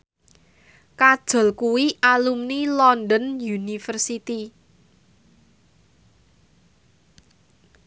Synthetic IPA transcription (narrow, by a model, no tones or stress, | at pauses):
kad̥ʒ̥ɔ̤lkuwiʔalumnilɔnd̪ənjunifərsit̪i